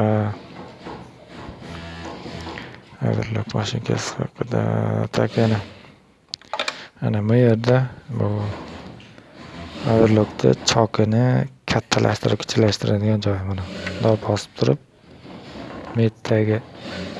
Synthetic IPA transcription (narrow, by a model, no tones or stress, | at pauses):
a | a̰d̪ɪɾlokmaʃɪŋkʲʰa̰sɪ̥hɑ̰qʰɨd̪a̰t̪ʰakʲʰna | anamʊje̞ɾd̪abʊ | a̰d̪ɪɾlˠokt̪ʰa̰t͡ʃʰɒqʰɨnɪkʲʰat̪ʰːalʔa̰ʃt̪ɪɾɪpkʰʲɪ̥t͡ʃʰɪlaʃt̪ɪɾad̪ɪɡʲand͡ʒɒjmanamd̪ɒpbɒsɪ̥p̚t̪ʰʊɾɪp̚ | met̪ʰːaɡʲɪ